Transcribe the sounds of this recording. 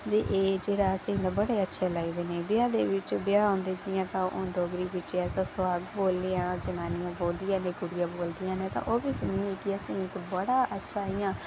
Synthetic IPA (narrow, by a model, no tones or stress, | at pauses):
t̪eːʔeːd͡ʒeːɽaːəsẽd̪ãːbəɽeːətːʃʰeːlaːɡid̪eːneːbɪãːd̪eːʋɪt͡ʃbɪjaːãːnd̪eːd͡ʒɪjãːt̪ãːʔõːɖoːɡɾiːʋɪt͡ʃɛːsãːsʊaːɡboːld̪ejãːd͡ʒənaːnɪjãːboːld̪ɪjãːneːɡʊɽɪjãːboːld̪ɪjãːnẽːt̪ã̰ːʔoːbiːsʊnĩeːkɪəsẽːɪkbəɽaːʔətːʃʰaːɪjãː